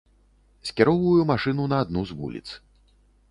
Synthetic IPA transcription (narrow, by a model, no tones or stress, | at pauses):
sʲkʲɛɾɔwvujumaʂɨnunɐːd̪nuzvṵlʲḭt̪s